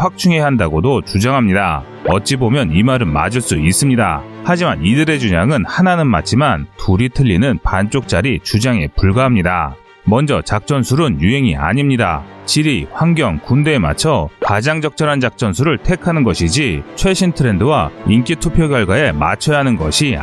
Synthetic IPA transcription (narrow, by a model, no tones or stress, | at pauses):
ɸwak̚t͡ɕ͈ʰuŋe̞ɦandaɡodot͡ɕud͡ʑaŋɦamɲida̰ | ʌt̚t͡ɕ͈ibomjʌnimaɾɯnma̰d͡ʑiɭs͈uis͈ɯmɲida̰ | had͡ʑimanidɯɾe̞d͡ʑuɲaŋɯnhananɯnma̰t͡ɕʰimantʰuɾitʰɯʎːinɯnpant͡ɕ͈ok̚t͡ɕ͈aɾit͡ɕud͡ʑaŋe̞̰puɭɡaɦamɲida̰ | mʌnd͡ʑʌ̰t͡ɕak̚t͡ɕ͈ʌnsʰuɾɯnjuɦe̞ŋia̰ɲimɲida̰t͡ɕiɾiɸwaŋɡjʌŋkunde̞ːma̰t͡ɕʰʌpad͡ʑaŋd͡ʑʌk̚t͡ɕ͈ʌɾand͡ʑak̚t͡ɕ͈ʌnsʰuɾɯɭtʰekʰanɯnɡʌɕʰid͡ʑit͡ɕʰwe̞ɕʰintʰɯɾe̞ndɯwaink͈itʰupʰjoɡjʌɭɡwae̞ma̰t͡ɕʰʌjaɦanɯnɡʌ̰ɕʰi